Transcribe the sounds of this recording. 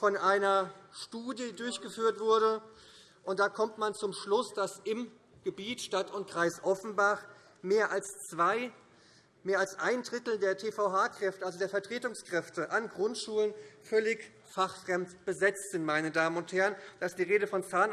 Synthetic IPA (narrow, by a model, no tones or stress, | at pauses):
fɔnʔaɪnɐʃtuːdjədʊɐçɡ̥əfyːɐtv̥ʊɐɾə | ʔʊnt̚d̥aːkʰɔmtmant͡sʊmʃlʊsd̥asɪm | ɡ̥əbiːtʃtatʊntkʁ̥aɪsʔɔfn̩baχ | meːɐʔalst͡sv̥aɪ | meːɐalsʔaɪndʁɪtl̩deːɐtʰeːfaʊhaːkʁ̥ɛftəʔalzodeːɐfɛɐtʁ̥eːtʊŋskʁ̥ɛftəʔanɡʁʊntʃuːlənfœlɪç | faχfʁ̥ɛmtb̥əzɛt͡stz̥ɪntmaɪnədaːmənʊnthɛɐʁənd̥aɪsd̥iːʁeːɾəfɔnt͡saːn